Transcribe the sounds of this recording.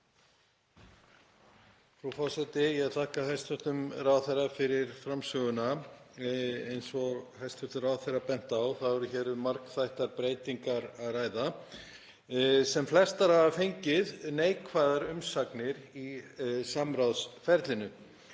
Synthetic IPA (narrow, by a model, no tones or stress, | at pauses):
fɾawfɔsɛt̪ɪjɛt̪ʰahkahajst̪vʏht̪ʏmrawðθerːafɪɾɪɾfɾamsœɣʏna | ejnsɔhajst̪ʏht̪ʏraːwðθerːapɛn̥t̪aːwθaðɛɾʏçɛːɾʏmaɾkθajht̪aɾpɾeːjt̪iŋkaɾaðraːjða | sɛmflɛst̪aɾhavafejɲcɪðneːjkʰvaðaɾʏmsaknɪɾisamɾawðsfɛɾt̪lɪnʏ